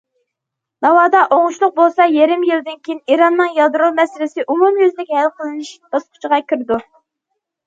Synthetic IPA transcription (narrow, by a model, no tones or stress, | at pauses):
d̪ɑwɑːd̪ɑʔoŋʊʃlˠʊq̚bolˠsɑjeɾɪmjild̪ɪnkʲʰijiniɾɑnːɨŋjɑd̪ɾolˠmɛsɪlɪsɪʔumumjøzlɪkʲhælqʰəlˠɨnɪʃb̪̥ɑsqʰʊ̥t͡ʃʰəʁɑkʲʰiɾɪd̪u